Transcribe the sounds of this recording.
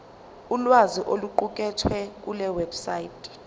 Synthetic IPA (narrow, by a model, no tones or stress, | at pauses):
ulwaziʔoluǃuk̬ʼɛtʰwɛk̬ʼulɛwɛbsaitʰʼ